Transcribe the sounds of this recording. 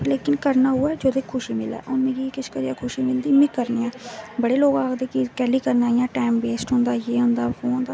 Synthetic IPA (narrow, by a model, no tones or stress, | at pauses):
leːkɪnkəɾnaːɦuːɛːd͡ʒoːd̪eːkʰʊʃiːmɪlɛ̰ːʔʊnmẽːɡikɪʃkəɾiːaːkʰʊʃiːmɪld̪iːmẽːkəɾneːãːbəɽeːloːɡaːkd̪eːkɪkɛːliːkəɾnaːijãːʈaːmbeːsʈɦʊ̃nd̪aːjeːɦʊ̃nd̪aːɦõːɦʊ̃nd̪aː